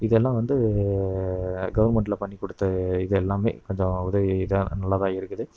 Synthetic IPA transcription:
ɪðɛlːãːʋɐnd̪ɯ | ɡɐʋɐɾmɛɳʈ̬ɪlɐpɐɳːikːɔɽɯt̪ːɐɪðɛlːaːmḛːkɔɲd͡ʒɔ̃ɐʊðɐɪðãnɐlːaðãːɪɾɯkːɯðɯ

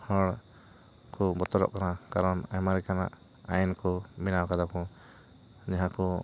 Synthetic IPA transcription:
hɔ̃ɽ | kɔbɔt̪ɔɾɔ̰ʔkanakaɾɔnajmaɾikana̰ʔ | a̰jɛnkɔminawkad̪akɔ | ɲaɦãkɔ

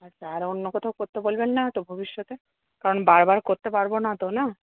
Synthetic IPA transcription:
aʃʰaaɾonːokɔt̪ʰaokoɾt̪ebolbenːat̪obʱobiʃːɔt̪e | kaɾonbaɾbaɾkoɾt̪epaɾbonat̪ona

